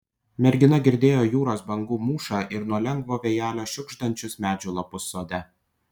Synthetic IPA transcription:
mʲɛɾʲɡʲɪnɐɡʲɪɾʲd̪ʲeːjoːjuːɾoːsbɐŋɡuːmuːʃɑːʔɪɾnuɔlʲɛŋɡʋoːʋʲejæːlʲoːʃʲʊɡʒd̪ɐnʲt͡ʃʲʊsmʲæːd͡ʒʲʊlˠɐpʊsːoːd̪ʲɛ

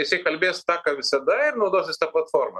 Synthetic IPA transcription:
ɪsʲɪkɐlʲbʲeːst̪ɑkɐʋʲɪsɐd̪ɐɪɾnʊd̪osʲɪsʲt̪ɐplˠɐt̪foɾmɐ

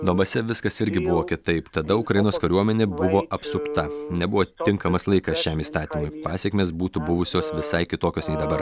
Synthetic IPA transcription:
d̪ɔmbɐsʲɛʋʲɪskɐsɪɾʲɡʲɪbʊʋoːkʲɪt̪ɐɪpt̪ɐd̪ɐʊkɾɐjɪnoːskɐɾʲuɔmʲɛnʲeːbʊʋoːʔɐpsʊpt̪ɐnʲɛbʊʋoːt̪ʲɪŋkɐmɐslˠɐɪkɐsʃʲɛmiːst̪ɑːt̪ʲiːmʊjpɑːsʲɛkmʲeːsbuːt̪ʊbʊʋʊsʲoːsʋʲɪsɐɪkʲɪt̪oːkʲoːsnʲɛɪd̪ɐbɐɾ

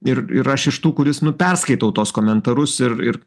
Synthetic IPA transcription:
ɪɾɪ̰ɾɐʃɪʃt̪uːkʊɾʲɪsnʊpʲɛrskɐɪt̪ɐʊt̪oːskoːmʲɛnt̪ɐɾʊsɪɾɪɾ

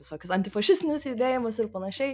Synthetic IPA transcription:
ʋʲɪsoːkʲʊsɐnʲt̪ʲɪfɐʃʲɪsʲt̪ʲɪnʲɪsid̪ʲeːjɪmɐsɪɾpɐnɐʃʲɛɪ

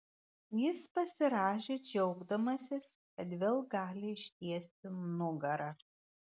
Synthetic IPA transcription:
jɪspɐsʲɪɾɑːʃʲeːd͡ʒʲɛʊɡd̪ɐmɐsʲɪskɐt̪ʋʲeːlˠɡɑːlʲɪɪʃʲt̪ʲiɛsʲt̪ʲɪmnʊɡɐɾɐ

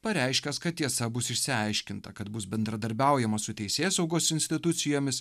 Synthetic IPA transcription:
pɐɾʲɛɪʃʲkʲɛskɐt̪tʲiɛsɐbʊsɪʃʲsʲɪɐɪʃʲkʲɪnt̪ɐkɐt̪bʊsbʲɛnd̪ɾɐd̪ɐɾʲbʲæˑʊjɛmɐsʊt̪ʲɛɪsʲeːsɒʊɡoːsɪnʲsʲt̪ʲɪt̪ʊt̪sʲɪjoːmʲɪs

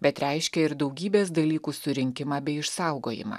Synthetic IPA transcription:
bʲɛt̪ɾʲɛɪʃʲkʲɛɪɾd̪ɒʊɡʲiːbʲeːsd̪ɐlʲiːkuːsʊɾʲɪŋʲkʲɪmɑːbʲɛɪɪʃsɑˑʊɡoːjɪ̰mɑ̰ː

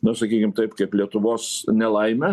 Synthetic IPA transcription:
nʊsɐkʲiːkʲɪmt̪ɐɪpkɐɪplʲiɛt̪ʊʋoːsnʲɛlˠɐɪmʲɛ

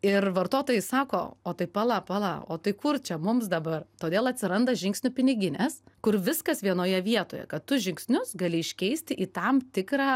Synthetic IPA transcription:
ɪrʋɐrt̪oːt̪oːjɛɪsɑːko̰ːoːt̪ɐɪpɐlˠɐpɐlˠɐ̰o̰ːt̪ɐɪkʊrt͡ʃʲɛmʊmsd̪ɐbɐrt̪oːd̪ʲeːlˠɐt̪ʲsʲɪɾɐnd̪ɐʒʲɪŋksʲnʲʊpʲɪnʲɪɡʲɪnʲeskʊɾʋʲɪskɐsʋʲiɛnoːjɛʋʲiɛt̪oːjɛ̰kɐt̪t̪ʊʒʲɪŋksʲnʲʊsɡɐlʲɪɪʃʲkʲɛɪsʲt̪ʲɪʔiːt̪ɐmt̪ʲɪkɾɑː

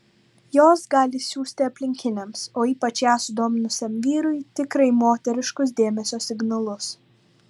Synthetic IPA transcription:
joːsɡɑːlʲɪsʲuːsʲt̪ʲɪɐpʲlʲɪŋʲkʲɪnʲɛmsoːiːpɐt͡ʃjæːsʊd̪oːmʲɪnʊsʲɛmʋʲiːɾʊɪt̪ʲɪkɾɐɪmoːt̪ʲɛɾʲɪʃkʊs̬d̪ʲeːmʲɛsʲoːsʲɪɡnɐlˠʊs

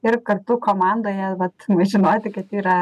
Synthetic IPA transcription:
ɪrkɐrt̪ʊkoːmɑnd̪oːjɛʋɐt̪mɐʒʲɪnoːt̪ʲɪkɐt̪iːɾɐ

